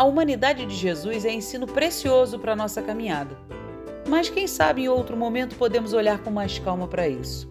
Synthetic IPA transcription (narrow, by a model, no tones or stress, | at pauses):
ɐumɐ̃nid̪ad͡ʒɪd͡ʒɪʒezujzɛẽsĩnʊpɾesiozʊpɾɐnɔsɐkamĩɲad̪ɐ | mɐskẽj̃sa̰bɪẽowt̪ɾʊmomẽnt̪ʊ̥pod̪ẽmʊzoʎaɾkõw̃majʃkawmɐpɾɐḭsʊ̥